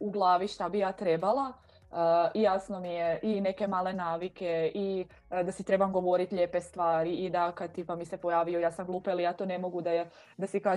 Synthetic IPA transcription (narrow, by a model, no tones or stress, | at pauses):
uɡlˠaːʋiʃt̪abijaːt̪ɾe̞balˠa | əijaːsno̞mijeʔine̞ke̞maːle̞naːʋike̞i | d̪asit̪ɾe̞bamɡo̞ʋo̞ɾit̪ʎe̞pe̞st̪ʋaːɾiːd̪akat̪ipamisepojaːʋijojaːsamɡlˠuːpaalijaːt̪oːne̞mo̞ɡud̪aj | d̪asikaː